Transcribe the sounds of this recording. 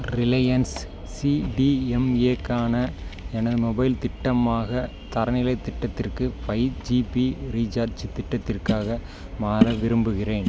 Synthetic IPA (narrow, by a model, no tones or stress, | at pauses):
ɾɪlɐjɐnsː | iɖiɛmeːkaːnɐɛnɐðɯmɔbɐɪlt̪ɪʈːɐmaːɣɐ | t̪ɐɾɐnɪlɐɪt̪ːɪʈːɐt̪ːɪrkɯpɐɪd͡ʒipiɾiːd͡ʒaːt͡ʃt̪ɪʈːɐt̪ːɪrkaːɣɐ | maːɾɐʋɪɾɯmbɯɣɪreːn